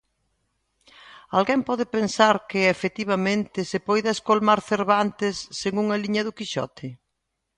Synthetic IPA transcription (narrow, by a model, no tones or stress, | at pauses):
alɣɛmpɔðɪpensaɾkɪefet̪iβ̞ɐmẽnt̪ɪsepojðɐeskolmaɾθeɾβant̪ɪsːeŋuŋɐliɲɐðʊkiʃɔ̰t̪ʰɪ